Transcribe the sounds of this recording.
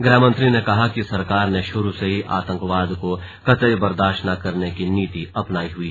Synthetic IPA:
ɡɾaːmə̃nt̪ɾinekɐɦakisɐɾkaːɾneʃʊɾuseɦiʔa̰ːt̪ə̃ŋkʋaːd̪ko | kɐt̪əjbɐɾd̪aːʃnakɐɾnekiniːt̪iɐpnaːiɦʊiː

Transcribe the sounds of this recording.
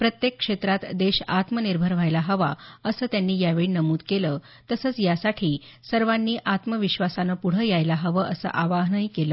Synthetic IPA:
pɾət̪jekːʂet̪ɾat̪d̪eɕat̪məniɾbʱəɾʋ̤ʱajlaɦəʋa̰əsəːt̪janːiːjaʋeɭiːnəmuːd̪keləː | t̪əsəːt͡sjasaʈʰiː | səɾʋanːiːʔat̪məʋiɕʋasanəpuɽ̤əjajlaɦəʋəʔəsə̰ʔaʋaɦnəɦikeləː

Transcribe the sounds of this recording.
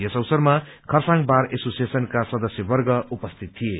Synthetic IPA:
esʌwsʌrmakʰʌrsãŋbaɾesosijesʌnkasʌd̪ʌsjʌbʌrɡʌupʌst̪ʰit̪ʰːije

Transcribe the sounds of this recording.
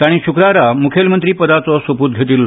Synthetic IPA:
t̪aɽ̃iːɕukɾaɾamukʰelmənt̪ɾiːpəd̪at͡sɔsəpuːt̪̚ɡʱet̪iːlːɔ

